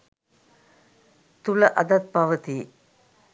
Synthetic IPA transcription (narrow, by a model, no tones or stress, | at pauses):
t̪ʊlɐʔɐd̪ɐt̪̚pɐʋɐt̪i